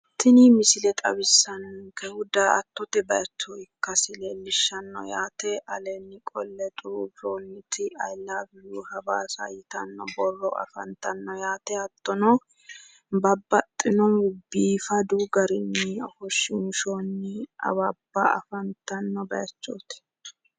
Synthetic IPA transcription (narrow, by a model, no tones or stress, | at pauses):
t̪ɪnimɪsɪlɛt̪ʼɐbɪsːɐnŋkɛhʊd̪aɐ̰t̪ːɔt̪ɛbɐjt͡ʃːɔɪkːɐsɪleːlːɪʃːɐnːɔ̰jaːt̪ɛʔɐlɛnːɪkʼɔlːɛt̪ʼʊɾubɾonːɪt̪ʰɪɐjlːaːbɪjuːhɐbaːsɐ̰jɪt̪ɐnːɔ̰bɔrːɔʔɐ̰fɐ̰nt̪ɐnːɔjaːt̪ɛɐt̪ːɔnɔ | bɐbːɐt̪ʼːɪnɔnʊbːiːfɐd̪uɡɐɾɪnːɪɔfɔʃɪʊnʃoːnːɪɐ̰wɐbːɐɐ̰fɐnt̪ɐnːɔbɐjɐt͡ʃːoːt̪ɛ̥